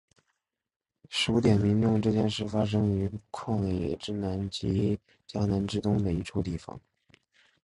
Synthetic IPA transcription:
ʂɻ̩˧˥u˧˥t̪jɛ˨˩nmi˧˥ŋʈ͡ʂʊ˥˧ŋʈ͡ʂɤ˥˧t͡ɕjɛ˥˧nʂɻ̩˥˩fa˥ʂ̬ɤ˥ŋy˧˥kʰwɑ˥˩ŋlɛ̰˨˩ʈ͡ʂɻ̩˥na˧˥nt͡ɕi˧˥ | t͡ɕja˥na˧˥nʈ͡ʂɻ̩˥t̪ʊ˥ŋd̪ə˨i˧˥ʈ͡ʂʰu˥˧ʊt̪i˥˩fɑ̰˨˩˦ŋ

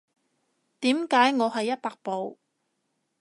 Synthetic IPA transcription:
t̪iː˨˥mkaː˨˥jŋɔː˨˧ɦɐ˨jːɐ˥t̚paː˧k̚po˨˧w

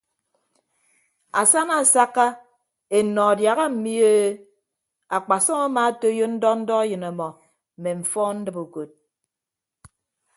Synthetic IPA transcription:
a˨sa˦na˨sa˦kːa˦ | e˨nɔ˨a˨dja˨ɣa˦m̩˨mi˦e˦ | a˨k͡pa˨sɔ˦ŋa˦ma˨˦to˦jo˦n̩˦dɔ˦n̩˦dɔ˦a˦jɨ˨na˨mɔ˨ | m̩˨me˨ɱ̩˨fɔ˦n̩˦dɨ˦po˨ko˨t̚

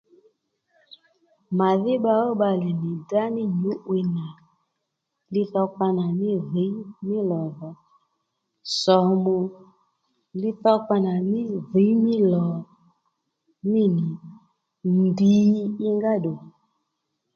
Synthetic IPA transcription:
ma˨ðɪ˦ɓa˧ɔ˦ɓa˧lɛ˨ni˨da˦nɪ˦ɲu˨˦ʔwe˧na˨ | lɪ˦θɔ˧ka˧na˨mɪ˦ði˨˦mɪ˦lɔ˨ðɔ˨ | sɔ˨mu˨ | lɪ˦θɔ˦ka˧na˨mɪ˦ði˨˦mi˦lɔ˨ | mi˦˨ni˨ | n˨di˨˦ɪ˦ŋɡa˦ɗo˨

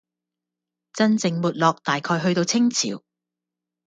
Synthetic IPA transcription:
t͡sɐ˥nt͡sɪ˧ŋmuː˨t̚lɔː˨k̚t̪aː˨jkʰɔː˧jɦɵ˧ɥt̪o˧wt͡sʰɪ˥ŋt͡sʰḭː˨˥w

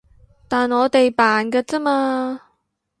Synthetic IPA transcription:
t̪aː˨nŋɔː˨˧t̪e˨jpaː˨nkɐ˧t͡sɐ˥maː˧

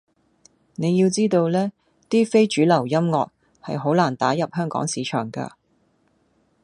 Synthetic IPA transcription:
ne˨˧jiː˧wt͡siː˥t̪o˧wlɛː˥ | t̪iː˥fe˥jt͡ʃyː˨˥lɐ˨˩wjɐ˥mŋɔː˨k̚ | hɐ̰˨jɦo˨˥wlaː˨˩nt̪aː˨˥jɐ˨p̚hœː˥ŋkɔ̰ː˨˥ŋsiː˨˥t͡ʃʰœ̰ː˨˩ŋkɐ̰ː˧

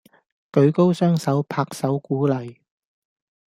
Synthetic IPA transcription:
kɵ˨˧ɥko˥wsœː˥ŋsɐ˨˥wpʰaː˧k̚sɐ˨˥wkuː˨˥lɐ˨j

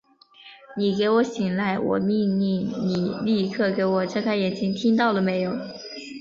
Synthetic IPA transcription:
ni˨˩ke˧˥ɪwɔ˧˥ɕi˨˩ŋla˧˥˩ɪwɔ̰˨˩mi˥˧ŋni˥˩ŋni˨˩li˥˧kʰɤ˥˩ke˧˥ɪwɔ˨˩ʈ͡ʂɤ˥˧kʰa˥ɪjɛ˨˩nt͡ɕi˥ŋt̪ʰi˥ŋt̪ɑ˥˩ʊlə˩me˧˥ɪjo˨˧˩ʊ

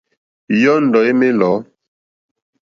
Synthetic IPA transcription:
jɔ˦n̩˨dɔ˨e˦me˦lɔ˨˦

